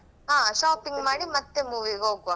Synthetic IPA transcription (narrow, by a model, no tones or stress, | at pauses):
ãːʂaːpɪŋɡmaːɽimɐt̪ːemuːʋiɣɐʊkːʋã